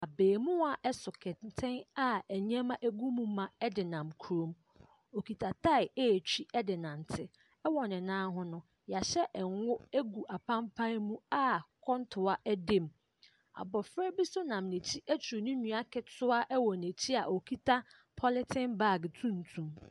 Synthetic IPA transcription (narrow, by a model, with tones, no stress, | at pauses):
a˨beː˨mũ˦a˨ʔɛ˦sʊ˨kʰɛ˨tʰɪ̃˦na˨æ˨ɲ˦ɛ̃˦mã˦ʔe˦ɡu˦mũ˦mã˨ɛ˦dɪ˨nã˨mkʰu˨ɾõ˨m | o˨kʰi˨tʰa˨tʰa˦ɪ˨e˦˨t͡ɕʰᶣi˦ɛ˦dɪ˨nã˨n˨tʰɪ˦ | ɛ˦wɔ˨nɪ̃˨nãː˦ɦʊ̃˦nʊ̃˦ | ja˨ɕɛ˦ʔɛ˨ŋ˦wʊ˦e˦ɡu˨ʔa˨pʰã˦mpʰã˦mũ˦a˦kʰɔ̃˦ntʰʊ˨a˦ʔɛ˦dẽ˦˨m | a̰˨bɔ˨fɾɛ˦bi˦sʊ˦nã˨mnẽ˨t͡ɕʰi˦ʔæ˦t͡ɕʰu˨ɾnʊ̃˦nũ˨a˦kʰɛ˨tʰʊ˦a˦ʔɛ˦wɔ˨ne˨t͡ɕʰi˦a˨ʔo˨kʰi˦tʰa˦ | pʰɔ˦lɪ˦tʰɪ̃˦nba˦˨ɡtʰũ˦n̩˨tʰũ˨m